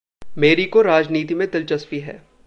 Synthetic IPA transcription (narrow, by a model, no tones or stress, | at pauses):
meːɾikoɾaːd͡ʒniːt̪imẽd̪ɪlt͡ʃɐspiɦɛ̰ː